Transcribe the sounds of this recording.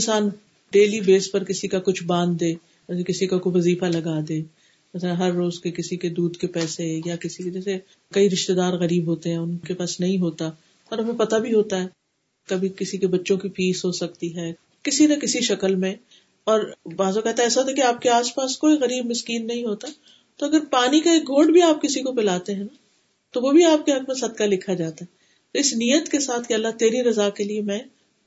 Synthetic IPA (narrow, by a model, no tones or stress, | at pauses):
ɪnsaːn | ɖeːlibeːspɐɾkɪsikakʊt͡ʃʰbãːnd̪ːẽː | ɛsekɪsikakoʋɐziːfalɐɡaːd̪ẽː | mɛslãɦɐɾːoːzkekɪsiked̪uːd̪kepɛːsejakɪsiked͡ʒɛːse | kɐiɾɪʃt̪ed̪aːɾɣɐɾiːbɦoːt̪eɦɛ̃ːʊnkepaːsnɐɦĩɦoːt̪a | ɔːɾɦɐmẽpɐt̪abʱiɦoːt̪aɦɛː | kɐbʱikɪsikebɐtːʃõkifiːsɦoːsɐk̚t̪iɦɛː | kɪsinɐkɪsiʃɐkəlmẽ | ɔːɾbaːzokɛɦt̪aɛːsaɦoːt̪ɛkiaːp̚keaːspaːskoːiɣɐɾiːbmɪskiːnːɐɦĩɦoːt̪a | t̪oɐɡəɾpaːnikaeːk̚ɡʱõːɳɖbʱiaːp̚kɪsikopɪlaːt̪eɦɛ̃na | t̪oʋobʱiaːp̚keɦɐkmẽsɐd̪̚kalɪkʰad͡ʒaːt̪aɦɛ | t̪oɪsnijət̪kesaːt̪ʰkeɐlːat̪eːɾiɾɐzakeliemɛ̃ː